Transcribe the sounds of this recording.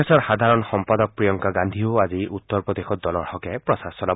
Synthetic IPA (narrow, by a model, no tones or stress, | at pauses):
ɛsɔɹxad̪ʱaɹɔnxɔmpad̪ɔk̚pɹijɔŋkaɡand̪ʱioaziʔut̪ːɔɹpɹɔd̪exɔt̪̚d̪ɔlɔɹhɔkɛpɹɔsasɔla